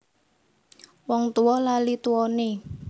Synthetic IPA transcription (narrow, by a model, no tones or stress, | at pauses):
wɔŋt̪uwɔlalit̪uwɔne